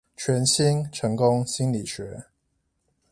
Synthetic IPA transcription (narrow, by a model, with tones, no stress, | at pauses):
t͡ɕʰɥɛ˨˧˥nɕi˦nʈ͡ʂʰɤ˧˦˥ŋkʊ˦ŋɕi˦nli˨˩ɕɥɛ˧˦